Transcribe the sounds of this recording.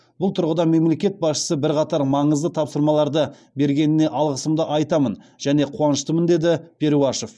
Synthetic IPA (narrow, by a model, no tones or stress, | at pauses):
bʊlˠt̪ʰʊɾʁəd̪ɑme̞mle̞kʲe̞t̪̚bɑsʃə̥səbɪɾqɑt̪ɑɾmɑɴəzd̪ət̪ʰɑpsəɾmɑlˠɑɾd̪ə | be̞ɾɡʲe̞nɪne̞ʔɑlˠʁəsəmd̪əʔɑjt̪ɑmən | ʒ̥æne̞qʰuɑnəʃt̪əmənd̪e̞d̪ɪpʲʰe̞ɾuɑʃo̞f